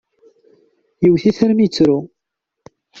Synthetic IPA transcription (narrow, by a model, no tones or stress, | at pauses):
jəwθiθæɾmit͡sːɾu